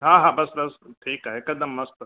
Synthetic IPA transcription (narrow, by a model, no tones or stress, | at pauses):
ɦãːɦãːbɐsbɐsʈʰiːkaːɦekɐd̪əmːɐst̪